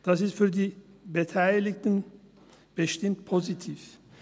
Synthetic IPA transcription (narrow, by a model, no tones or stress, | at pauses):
d̪̥asɪst̪fyɾd̪iːbət̪ʰæjlɪkt̪ən | b̥əʃt̪ɪmt̪pʰozit̪ʰiːf